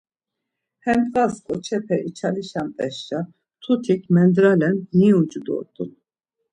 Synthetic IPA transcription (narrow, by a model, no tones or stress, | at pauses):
hɛmkʼaskʼɔt͡ʃʰɛpʰɛʔit͡ʃʰaliʃant̪ʼɛʃt͡ʃa | t̪ʰut̪ʰikʰmɛnd̪ɾalɛnniut͡ʃʼud̪ɔ̰t̪ʼṵn